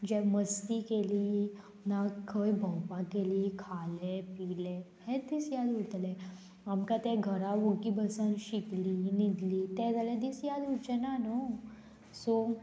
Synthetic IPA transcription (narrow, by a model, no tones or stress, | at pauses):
d͡ʑɛməst̪ikelie | nakʰːəjbʱə̃wpãkeliekʰalepiːle | hɛ̃d̪isjad̪ɦot̪lɛ | amkat̪ɛɡʱəɾaʋokibəsənʃiklinid̪liːt̪ɛd͡zaled̪isjad̪ɦot͡ʃenano | so